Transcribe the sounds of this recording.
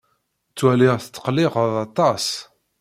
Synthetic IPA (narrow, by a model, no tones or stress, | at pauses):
t͡sːwæliʁθt͡s̪ːə̥qliʁəðɑt̪ˤɑs